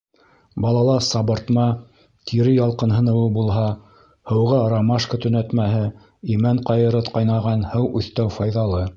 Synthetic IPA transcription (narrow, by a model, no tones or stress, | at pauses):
bɑlˠɑlˠɑsɑbɤ̆ɾt̪mɑ | t̪ʰiɾɘjɑlˠqɤ̆nɦɤ̆nɤ̆wɤbulˠɦɑ | hɤ̆wʁɑɾɑmɑʃkət̪ɵ̆næt̪mæɦɘ | imæɴqɑjɤ̆ɾɤt̪qɑjnɑʁɑnhɤwʉθt̪æwfɑjðɑlˠɤ